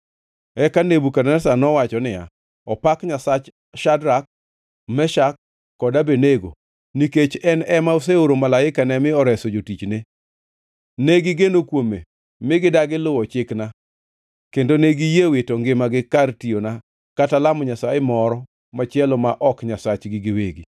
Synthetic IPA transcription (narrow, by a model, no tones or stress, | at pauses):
ɛkanebukadɛsanɔwat͡ʃɔnɪja̰ | ɔpakɲasat͡ʃ | ʃadɾak̚ | mɛʃakː | ɔdabeneɡo̰ | niket͡ʃɛnɛmaos̬eoɾomalaɪkanɛmɪɔɾɛsɔd͡ʒotit͡ʃne | neɡɪɡenokwomḛ | mɪɡɪdaɡɪlʊwɔt͡ʃɪkna | kendoneɡijewetoŋɡɪmaɡɪkartiona | katalamɔɲasaɪmɔɾɔ | mat͡ʃɪɛlɔmaʔɔkɲasat͡ʃɡɪɡɪweɡḭ